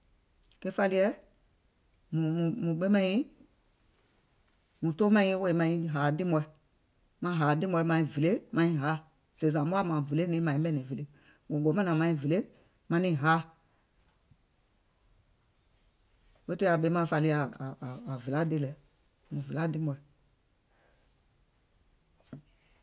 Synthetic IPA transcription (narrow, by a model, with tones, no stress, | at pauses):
kɛ˦fa˧li˧˦ɛ˦ | mũ˨mũ˨mũ˨ɓe˦mã˦ĩ˦ | mũ˨to˦mã˧˦ĩ˦we˦˨mã˧ĩ˧ɦaː˨dĩ˦mɔ˧ɛ˧˨ | mã˧˦ɦa˨˦˨dĩ˦mɔ˧ɛ˧mã˧ĩ˨ve˨le˦mã˧ĩ˧ɦa˨˦ | se˨s̬ã˨bo˦a˦mã˨ve˨le˦nĩː˨˦mã˨ĩ˦ɓɛ˦nĩ˨ve˨le˦ | wõ˨ɡo˨˦mã˦nã˨mã˨˧ĩ˧˨ve˨le˦ | mã˧nĩ˨˦˨ɦa˦ | we˦to˦a˨be˨˦mã˨fa˧li˧aː˨ve˨la˦de˦lɛ˧ | mũ˨ve˨la˦dĩ˦mɔ˨˧ɛ˨